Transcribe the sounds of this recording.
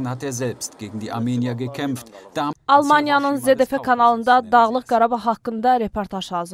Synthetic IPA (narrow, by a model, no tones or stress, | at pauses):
nhat̪eːɐzɛlpst̪ɡ̥eːɡŋ̩d̪iʔamenijaɡəkʰɛmft̪d̥̪aɑlˠmɑnijɑnɯnzed̪efekʰɑnɑlˠɯnd̪ɑd̪ɑʁlˠɯqɡ̥ɑɾɑbɑɦɑkːɯnd̪ɑɾe̞pʰoɾt̪ʰɑʒhɑːzɯ